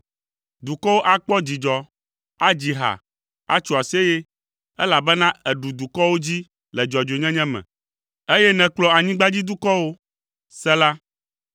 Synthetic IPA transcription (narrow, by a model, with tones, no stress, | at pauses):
d̪u˨kɔ˦wo˦ʔa˦k͡pɔ˦d͡ʑi˨d͡ʒɔ˨ | a˦d͡ʑi˨ɦa̰˨ | a̰˦t͡ʃu˨a˨si˦e˦jɛ˦ | ɛ˦la˨bɛ˦nã˦ɛ˨ɖu˨d̪u˨kɔ˦wo˦d͡ʑi˦ | lɛ˨d͡ʒɔ˨d͡ʒo˨ɲɛ̃˦ɲɛ̃˦mɛ̰̃˨ | e˦jɛ˦nɛ̃˨k͡plɔ˦a˨ɲĩ˦ɡ͡ba˦d͡ʑi˦d̪u˦kɔ˦wo˦ | sɛ˦la˦